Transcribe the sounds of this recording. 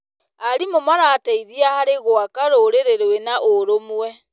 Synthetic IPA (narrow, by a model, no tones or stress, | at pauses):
aɾimomaɾaːtaiðiahaɾeɣoakaɾoɾeɾeɾowenaʔoɾomwɛ